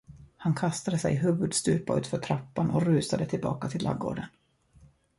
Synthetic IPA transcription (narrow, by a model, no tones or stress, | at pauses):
hankʰast̪ad̪əsɛ̰jɦɵːvɵd̪st̪ʉ̟ːpaʔʉ̟ːt̪fœʈʰɾapːanɔ̰ɾʉ̟ːsad̪ət̪ʰɪlbɑ̰ːkat̪ʰɪlːʔa̰ɡːo̰ːɖən